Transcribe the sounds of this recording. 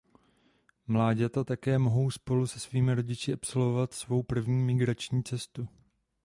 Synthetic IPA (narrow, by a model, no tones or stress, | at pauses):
mlaːɟɛt̪at̪akɛːmoɦo̞wspo̞lusɛsviːmɪɾo̞ɟɪt͡ʃɪʔapso̞lvo̞vat̪svo̞wpr̩vɲiːmɪɡɾat͡ʃɲiːt͡sɛst̪u